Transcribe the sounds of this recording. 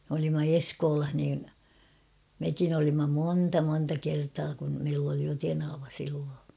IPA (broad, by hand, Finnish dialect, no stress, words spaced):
m olimːɑ eskoːlɑh niːn mekin olimːɑ moːntɑ montɑ kertɑː kun meilː oli jo tenɑʋɑ silːoː